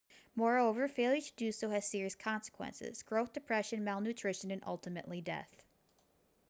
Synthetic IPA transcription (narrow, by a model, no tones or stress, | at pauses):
mɔɹoʊvə˞feɪlˠitʰɨdɨsoʊɨz̥sɪɹiɨskʰɑ̃nsə̥kʰwɛ̰̃nsɪ̰z̥ɡ̥ɹoʊθd̥ɨpʰɹ̥ɛʃɨ̃nmæɪlˠnʉtʰɹ̥ɪʃɨ̃nɨ̃nʔʌ̰lˠtɨmɨ̰ʔlidɛ̰θ